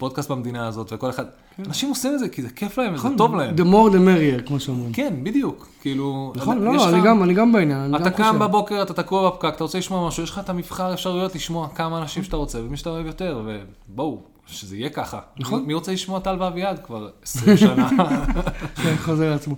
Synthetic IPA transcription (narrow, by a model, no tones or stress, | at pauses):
po̞d̪̚kast̚bamed̪inaːzo̞t̪veko̞le̞χad̥̪̚ | anaʃimo̞simedzekizekʰeflaemveto̞vlahemd̪emoʁd̪emeʁieʁkmoʃeamʁimkenbid̪ijukːiːlunaonloloaniɡamaniɡambainjananiatɡaakambabo̞ke̞ʁat̪at̪akuavafkakat̪aʁot͡seliʃmoamaʃujeʃlχaet̪amifχaʁefʃaʁujo̞t̪liʃmo̞akamaːnaʃimʃat̪aʁo̞t͡se̞vemiʃat̪aoevjo̞t̪e̞ʁve̞bou | ʃezeijekaχa̰naχonmiʁo̞t͡seliʃmoat̪alvavjad̪kvaʁesʁiana | ʃeχozeʁleat͡smo